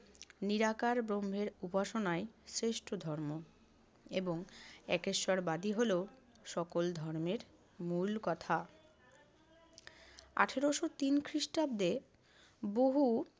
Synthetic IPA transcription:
niɾakaɾbɾombʱeɾupaʃonaesɾeʃʈʰod̪ʱɔɾmo | eboŋɛkeʃaɾbad̪iɦole | ʃɔkold̪ʱɔɾmeɾ | mulkɔt̪ʰa | a̰ʈʰeɾoʃot̪inkʰɾiʃʈab̚d̪e | boɦu

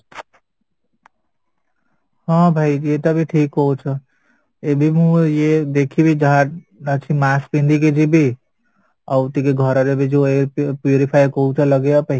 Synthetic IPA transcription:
ɦãbʱaijjet̪ɔbʱiʈʰikɦout͡ʃʰə | ebʱimũjed̪ekʰibʱid͡ʒəɦa | nət͡ʃʰimaspĩnd̪ik̬ed͡ʒʱibʱi | awt̪ikeɡʱʌɾɔɾebʱid͡ʒoepjuɾipʰajkout͡ʃʰələɡejapəɦi

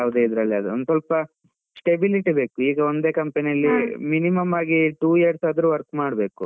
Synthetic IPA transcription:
aːʋd̪eid̪ɾɐlːiɐd̪uond̪usɐlpɐ | sʈebiliʈibe̞ːkuiːɡɐo̞nd̪e̞ːkɐmpɐnijɐlːiminimɐmaːɡiʈuːijɐɾsad̪ɾuʋɐɾkmaːɽbe̞ːku

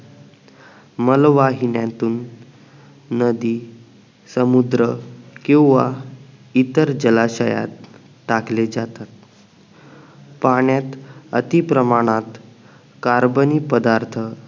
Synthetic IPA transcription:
məlʋaɦinjãt̪uːn | əd̪iː | səmud̪ɾəkĩw̃ʋa | it̪əɾd͡ʑəlaɕəja̰t̪ː | akled͡ʑat̪at̪̚ | paɳjat̪ət̪ipɾəmaɽ̃at̪ | kaɾbənipəd̪aɾt̪ʰə

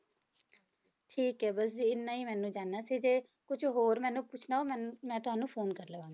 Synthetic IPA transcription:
ʈʰiːkɦɛːbəs̬d͡ʒiɪnːaːiːmɛ̃ːnũːd͡ʒaːnːaːsiːd͡ʒeː | kʊd͡ʒɦoːɾmɛ̃ːnũːpʊt͡ʃʰnaːoːɛmɛ̃ːt̪ʊɦaːnũːpʰoːnkəɾləʋãːɡ

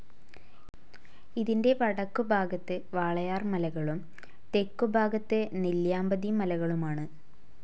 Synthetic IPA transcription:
iðinde̞ʋɐɽɐkːubʱaːɡɐt̪ːeʋaːɭɐjaːrmɐlɐɣɐɭum | t̪e̞kːubʱaːɡɐt̪ːeniljaːmbɐðimɐlɐɣɐɭumaːɳɨ

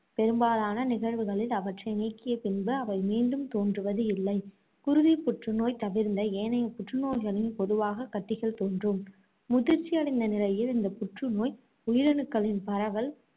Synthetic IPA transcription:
pɛɾɯmbaːðaːnɐnɪɣɐɻʋɯɣɐɭɪlɐʋɐʈrɐɪnɛːkːɪjɐpɪnbɯɐʋɐɪmiːnɖɯmt̪oːndrɯʋɐðɯɪlːɐɪ | kʊɾʊðipʊʈrɯnoːjt̪ɐʋɪɾnd̪ɐeːnɐjɐpʊʈrɯnoːjɣɐɭɪnpɔðɯʋaːɣɐkːɐʈːɪɣɐɭt̪oːndrɯmː | ʊðɪɾt͡ʃːɪjɐɽɪnd̪ɐnɪlɐjɪlɪnd̪ɐpʊʈrɯnoːj | ʊjɪɾɐnɯkːɐɭɪnpɐɾɐʋɐl

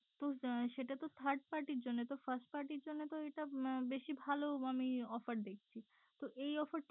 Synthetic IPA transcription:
t̪oʃeʈat̪ot̪ʰaɾɖ̚paɾʈiɾd͡ʑonːet̪ofaɾsʈ̚paɾʈiɾd͡ʑonːet̪oeʈabeʃibʱaloamiɔfaɾd̪ekʰt͡ɕʰi | t̪oʔejɔfaɾʈ

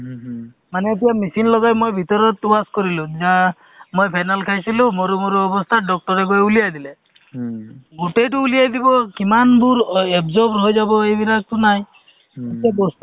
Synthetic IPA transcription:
maneːt̪ijamisinlɔɡajmojbʱit̪ɔɾɔt̪ubaskɔɾilud͡ʒa | mojpʰanalkʰajsilumoɾumoɾuɔbɔst̪ʰaɖɔk̚ʈɔɾekɔeulijajd̪ile | ɡoʈejʈuːlijajd̪ibɔkimanbʱuɾebzɔɾbɦojd͡ʒabɔejbiɾak̚tunaɦj̃ | et̪ijabɔst̪

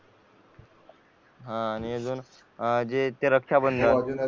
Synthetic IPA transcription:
ɦãːnied͡zuːn | d͡ʑet̪eɾəkʂabənd̪ʱa

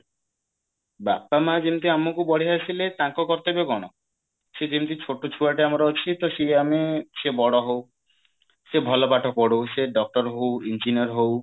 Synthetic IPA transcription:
bapːamad͡ʑint̪iamːokubɔɽ̤easilet̪aŋkokɔɾt̪ebeɡɔɽ̃ɔ | ʃed͡ʑint̪it͡ɕʰoʈːot͡ʃʰuaʈeamɾɔot͡ɕʰit̪oʃeameʃebɔɽɔɦow | ʃebʱɔlopaʈʰɔpɔɽoʃeɖɔk̚ʈɔɾɦowind͡ʑiniɔɾɦow

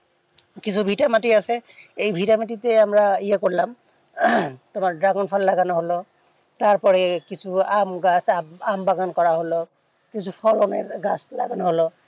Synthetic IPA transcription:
kisʰubʱitamatiasɛejbʱitamatitɛamɹaijakoɹilam | tʊmaɹdɹaɡɔnpʰɔllaɡanɔɦolɔ | taɹpɔɹɛkisʰuamɡasambaɡankɔɹaɦolɔ | kisʰupʰɔɹonɛɡasla̰ɡanɔɦolɔ

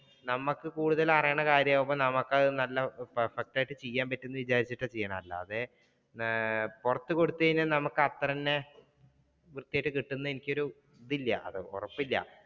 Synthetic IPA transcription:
nɐmːɐkːɨkuːɽuðɐlɐrɐjɐɳɐkaːɾjɐmomːɐnɐmɐkːɐðɨnɐlːɐpɐrfɐk̚ʈaːjiʈːɨt͡ɕejːaːmpɐtːenːɨʋit͡ɕaːɾit͡ɕːiʈːɐt͡ɕejːɐɳɐmɐlːɐ̰ːðe | purɐt̪ːɨko̞ɽut̪ːɐðinɨnɐmɐkːɨɐt̪rɐnːe | ʋrt̪ːijaːjʈːɨkiʈːunːɐenikʲːo̞ɾu | ðilːɐʔɐ̰ðɨo̰rɐpːilːɐ̰

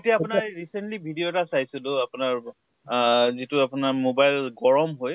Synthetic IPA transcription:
etijaaʊnɹɹisentlibʱidijotasajsʊlʊapʊnaɹ | zitʊapʊnaɹmobajlɡɔɹɔmɦoj

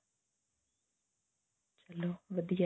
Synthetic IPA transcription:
t͡ʃɐloːʋɐd̪ija

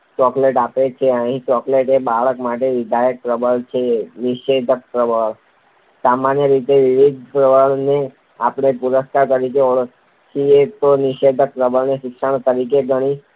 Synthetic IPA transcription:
t͡ʃɔkleʈapet͡ʃʰeəɦĩt͡ʃɔkleʈebaɭəkmaʈ̬eʋid̪ʱajək̚pɾəbəɭt͡ʃʰeniʃed̪ʱək̚pɾəbəɭ | samanjəɾit̪eʋiʋid̪̚ʱpɾəʋəɭne | apɽ̃epuɾəskaɾt̪əɾikeoɭ | t͡ʃʰiet̪oniʃed̪ʱək̚pɾəbəɭneʃɪkʃəɳ̃t̪əɾik̬eɡʱəɽ̃i

